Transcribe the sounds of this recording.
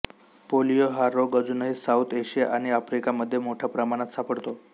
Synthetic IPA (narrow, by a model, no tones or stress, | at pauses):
polijoɦaɾoɡəd͡zunəɦisaut̪ʰeɕijaʔaɽ̃iafɾikaməd̪ʱːjemoʈʰjapɾəmaɽ̃at̪sapəɽt̪o